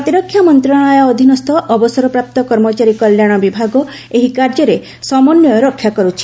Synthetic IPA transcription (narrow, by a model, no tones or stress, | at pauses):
ɔt̪iɾɔkʰːjamɔnt̪ɾɔɽ̃ajɔɔd̪ʱinɔst̪ʰɔʔɔbɔsɔɾɔpɾap̚t̪ɔkɔɾmɔt͡ʃaɾikɔljaɽ̃ɔbibʱaɡɔ | eɦikaɾd͡ʒɔɾe | sɔmɔnːɔjɔɾɔkʰːjakɔɾut͡ʃʰi̥